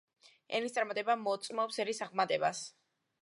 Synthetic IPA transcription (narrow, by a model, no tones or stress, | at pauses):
ɛ̰nist̪sʼaɾmat̪ʼɛbamɔt̪sʼmɔpsɛɾisaʁmat̪ʼɛbas